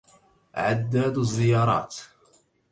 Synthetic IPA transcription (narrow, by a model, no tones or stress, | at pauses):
ʕad̪ːaːd̪zːɪjɑːɾˤɑ̰ːt̪